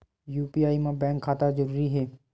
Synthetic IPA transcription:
juːpiaːimãbɛ̃ːŋkʰːaːt̪azəɾuːɾiɦɛː

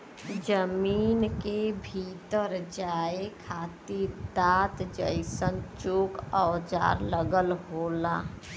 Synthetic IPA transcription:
d͡ʒəmiːnkebʱiːt̪əɾd͡ʒaːekʰaːt̪id̪aːt̪d͡ʒə̰ɪsənt͡ʃoːkɔʊd͡ʒa̰ːɾləɡəlɦoːlaː

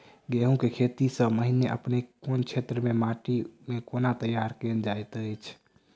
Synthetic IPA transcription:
ɡeɦũkekʰet̪isəməɦineʔə̰pnekont͡ʃʰet̪ɾəmemaʈimekonat̪əjaɾkend͡ʒajt̪əjt͡ʃʰ

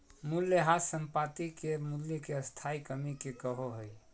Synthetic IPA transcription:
muljəɦasəmpat̪ikemuljəkeəst̪ʰaikəmikekəɦoɦəj

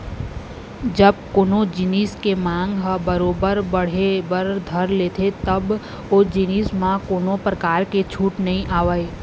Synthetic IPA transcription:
d͡ʒɐb̚koːnõd͡ʒɪniːskemãːŋɡɦbəɾoːbəɾbɐɽ̤ebəɾd̪ʱəɾleːt̪ʰet̪ɐb | oːd͡ʒɪniːsmãkoːnõpɾɐkaːɾket͡ʃʰuːʈnɐɦĩʔaːʋəeː

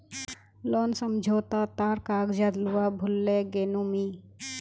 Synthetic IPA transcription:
loːnsəmd͡ʒʱoːt̪at̪aːɾkaːɡd͡ʒad̪luwabʱʊlːeɡeːnumi

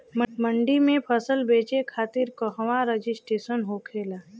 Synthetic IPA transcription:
məɳɖimẽpʰəsəlbeːt͡ʃekʰaːt̪ɪɾkəɦʋaɾed͡ʒɪsʈeːsənɦoːkʰeːlaː

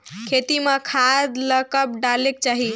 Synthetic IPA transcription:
kʰet̪imekʰad̪ləkəp̚ɖalek̚t͡ʃaɦi

